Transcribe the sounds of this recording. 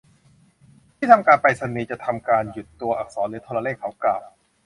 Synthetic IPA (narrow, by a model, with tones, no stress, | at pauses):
t̪ʰiː˥˩t̪ʰa˧mkaː˧npa˧jsa˧niː˨˦˥t͡ɕa˨˩t̪ʰa˧mkaː˧nju˨˩t̪ːu˧ɐʔa˨˩k̚sɔː˩˦nɾɯː˩˦t̪ʰɔː˧la˧leː˥˩kʰːa˩˦wklaː˨˩w̚